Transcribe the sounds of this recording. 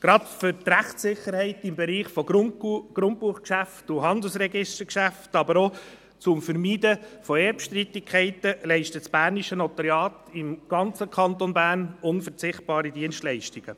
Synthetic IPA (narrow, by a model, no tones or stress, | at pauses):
ɡ̥ɾɑtfʏɾtræχtsɪχːəɾhɛɪtɪmbɛɾiːχfɔɡ̥ɾʊnt̚puːχkʃæftʊɦɑnd̪l̩sɾɛɡɪʃtəkʃæftɑbəɾo | t͡sʊmfəɾmiːdəfɔɛːpʃtɾit̪ːikʰɛɪtəlɛɪʃtət͡sb̥æːɾniʃənɔt̪əɾjɑːtɪmɡ̥ɑnt͡səkʰɑnt̪onbæːɾnʊnfət͡sɪχt̚b̥ɑːɾidiənstlɛɪʃtiɡ̥ə